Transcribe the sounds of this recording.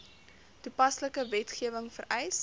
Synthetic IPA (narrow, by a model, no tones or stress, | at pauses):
tupɐsləkəvɛtχiəvəŋfərɛjs